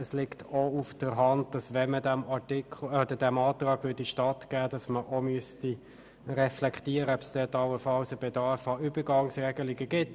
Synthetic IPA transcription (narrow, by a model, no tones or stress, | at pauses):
əslɪktʰoufd̥əɾɦɑntd̥ɑsʋɛmədæmɑtikʰɔdədæmɑːtrɑːɡʋʏːdiʃtɑtɡ̥æːdɑsməʔomyəsti | rɛflɛkχtiəɾəɔbsd̥ɛːtɑwəfɑlsəbɛdɑrfɑybəɡɑŋsrɛɡəlɪɡəɡɪt